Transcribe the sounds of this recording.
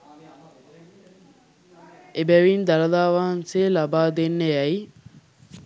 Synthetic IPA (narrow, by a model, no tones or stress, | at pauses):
ebæʋind̪ɐlɐlaːʋaɦɐnseːlabaːd̪enːeɛj